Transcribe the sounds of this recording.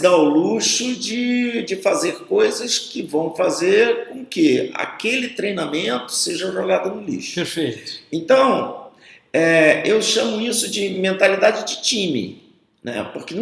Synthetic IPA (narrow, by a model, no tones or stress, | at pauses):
d̪aʊluʃʊd͡ʒɪd͡ʒɪfazeɾkojzɐskɪvɐ̃w̃fazeɾkõkɪa̰kelɪt̪ɾejnamẽnt̪ʊ̥seʒɐʒoɡad̪ʊnʊlḭʃʊ̥peɾfejt̪ʊ̥ẽnt̪ɐ̃w̃ | ɛewʃɐ̃mʊisʊd͡ʒɪmẽnt̪alid̪ad͡ʒɪd͡ʒɪt͡ʃĩmɪ̰ | nɛ̰pokɪn